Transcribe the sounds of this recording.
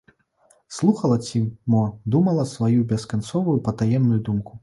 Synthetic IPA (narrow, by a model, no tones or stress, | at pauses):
slˠuxɐlˠɐt͡sʲimɔd̪umɐlˠɐsvajubʲɛskant̪sɔvujupɐt̪ajɛmnujud̪umku